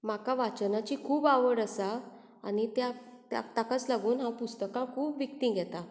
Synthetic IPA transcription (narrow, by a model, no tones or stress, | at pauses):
m̤akaʋat͡ɕnat͡ɕikʰuːbaʋəɽəsa | a̰nit̪jat̪ja̰t̪akat͡slaɡuːnɦãpust̪əkãkʰuːpʋik̚t̪ĩːɡʱɛt̪a